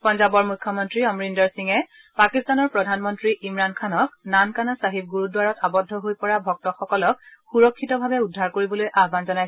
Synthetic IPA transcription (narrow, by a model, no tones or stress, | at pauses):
pɔnzabɔɹmukʰːɔmɔntɹiɔmɹindɔɹsiŋɛ | pakistanɔɹpɹɔdʱanmɔntɹiʔimɹankʰanɔk̚nankanasaɦib̚ɡuɹudwaɹɔtabɔdʱːɔɦojpɔɹabʱɔk̚tɔxɔkɔlɔk̚xuɹɔkʰːitɔbʱabɛudʱːaɹkoɹibɔlojʔaɦbanzɔnajsɛ